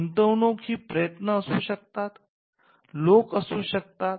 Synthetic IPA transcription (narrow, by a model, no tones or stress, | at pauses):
nt̪əwnokɦiːpɾəjət̪nəːsuːɕək̚t̪at̪ | lokəsuːɕək̚t̪at̪